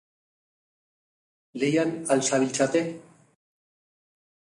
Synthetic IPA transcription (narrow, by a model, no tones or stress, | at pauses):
lejanalsaβilt͡sat̪e